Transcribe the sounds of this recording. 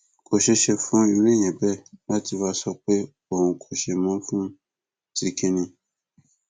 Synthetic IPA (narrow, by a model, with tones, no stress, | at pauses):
ko˨ʃɛ˧ʃɛ˧fũ˦i˨˦ɾ̃ĩ˦˨j̃ɛ̃˨bɛ˦˨mã˦ti˧wa˦sɔ˧k͡pe˦ | o˦˨hũ˧kʰo˨ʃɛ˧mɔ̃˨˦fũ˦ | ti˧ke˦nĩ˧